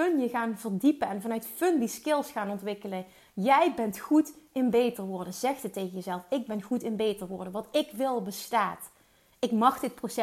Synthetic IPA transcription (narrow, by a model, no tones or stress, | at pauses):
ɵnjəɣaːnvəɹdipənɛnvɑnœɥtfɵndiskɪlˠsxaːnɔntʋɪkələ | jɛjbɛntχutɪnbejtəɹʋʊːɹdəzɛxtətːejɣənjəzɛlˠfɪɡ̚bɛnχutɪnbejtəɹʋʊːɹdəʋɑtɪkʋɪlˠbəstaːt | ɪkmɑχdɪt̚prosɛ